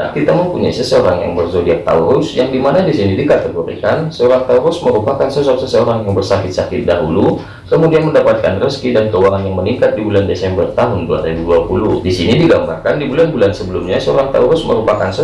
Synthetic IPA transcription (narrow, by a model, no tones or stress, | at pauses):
akit̪aməmpuɲa̰isəsəoɾaŋja̰ŋbərzodiat̪a̰uɾʊsjaŋdimanadisinidikat̪əɡoɾḭkansəoɾaŋt̪auɾʊsməɾupakansəsɔksəsəoɾaŋjaŋbərsakɪt̪̚sakɪt̪̚daɦulu | kəmudianməndapat̪̚ka̰nrəskidankəuwaŋanjaŋməniŋkat̪̚dibulandesɛmbərt̪aɦʊndua̰ɾibuduapuluhdisinidiɡamba̰rkandibulanbulansəbəlumɲasəoɾaŋt̪a̰uɾʊsməɾupakansə